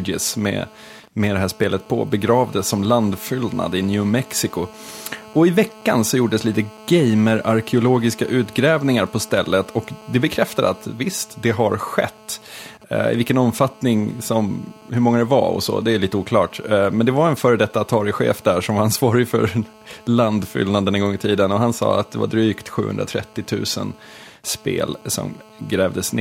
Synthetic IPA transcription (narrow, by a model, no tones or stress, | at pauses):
d͡ʒɪ̰smɛ̰ | mɛd̪ɛɦæːʂpeːlət̪̚pʰɔ̰bɛɡɾɑːvd̪əsːɔmland̪fʏld̪na̰d̪əɪnjʉːmɛksɪkʊ | ɔɪvɛkːa̰nsɔjuːɖəsliːt̪əɡɛjməɾaɾkʰɪʊloːɡɪskaʔʉ̟ːt̪ɡɾɛːvnɪŋaɾpʰɔst̪ɛlːət̪ʰɔkd̪ɛbɛkʰɾɛft̪ad̪ə̰at̪vɪst̪d̪ɛɦaɾɧɛ̰t̪ː | ɪ̰vɪlkənɔmfat̪nɪŋsɔmhɵɾmɔŋːad̪ɛva̰ɔ̰sɔ̰d̪ɛæliːt̪əuːkʰlɑːʈmɛnd̪ɛvaɾɛnfœːɾəd̪ɛt̪ːaat̪ʰɑːɾɪɧḛːfd̪æʂɔmvaɾansvɑːɾɪfœ̰ɾ | land̪fʏ̰lnand̪ənɛŋɡɔŋːɪt̪ʰiːd̪ənɔɦansɑ̰ːat̪̚d̪ɛva̰ɖɾyːkt̪ɧʉ̟ːhɵ̰nd̪ɾat̪ʰɾɛ̰t̪ːɪt̪ʰʉ̟ːsə̰n | spḛːlsɔ̰m | ɡɾɛːvd̪əsne